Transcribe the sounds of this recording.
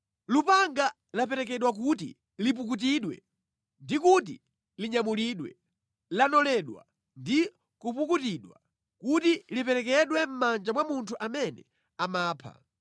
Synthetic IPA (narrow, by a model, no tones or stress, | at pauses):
lupaŋɡa | lap̬ɛɾɛk̬ɛɗwak̬ut̬ḭ | lip̬uk̬ut̬iɗwɛ̰ | ndikuti | liɲamuliɗwɛ̰ | lanɔlɛɗwa̰ | ndi | kup̬ukutiɗwa̰ | kutilipɛɾɛkɛɗwɛm̩mand͡ʒamwamuntʰuʔamɛnɛ̰ | amaːpʰa̰